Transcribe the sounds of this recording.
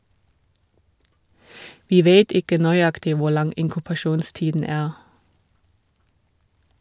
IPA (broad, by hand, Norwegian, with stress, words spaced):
ˈʋiː ˈʋeːt ˈɪkə nœʏˈɑktɪ ˈʋʊ ˈlɑŋ ɪŋkʉpɑˈʃuːnˌstiːdn̩ ˈæːʁ